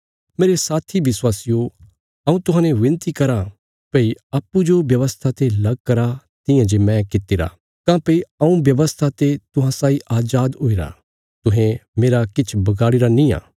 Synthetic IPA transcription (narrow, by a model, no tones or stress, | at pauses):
meːɾesaːt̪ʰiʋɪswaːsɪjo | ɐũt̪ʊɦãːnẽʋɪ̃nt̪ikɐɾa | pɐiaːpːud͡ʒobjɐʋəst̪ʰat̪elɐɡ̚kɐɾat̪ɪ̃jãd͡ʒemɛ̃kɪt̪ːiɾa̰ | kãːpɐiɐũbjɐʋəst̪ʰat̪et̪ʊɦãsaːiʔaːd͡ʒaːd̪oiɾa̰ | t̪ʊɦẽmeːɾakɪt͡ʃʰbɐɡaːɽiɾanĩa̰ː